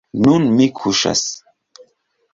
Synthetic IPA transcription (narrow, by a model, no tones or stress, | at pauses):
nunmikʰuʃa̰s